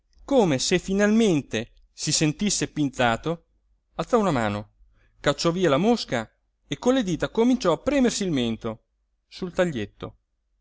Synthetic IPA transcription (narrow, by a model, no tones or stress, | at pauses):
koːmesefinalment̪e | sisent̪isːepint̪saːt̪o | alt̪sɔunamaːno | kat͡ʃːɔviːalamoska | ekːonlːed̪iːt̪akomint͡ʃɔapːɾɛːmersilment̪o | sult̪aʎːet̪ːo̰